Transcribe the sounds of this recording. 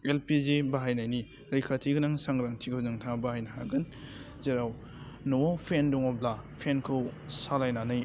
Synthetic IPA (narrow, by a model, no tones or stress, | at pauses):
elpizebaɦajnajni | ɾejkʰatʰiɡɯnaŋsaŋɡɾaŋtʰikʰɯwzaŋtʰabahajnaɦaɡɯn | zeɾaw | nowawpʰenduŋɔblapʰenkʰɯwsalajnanaj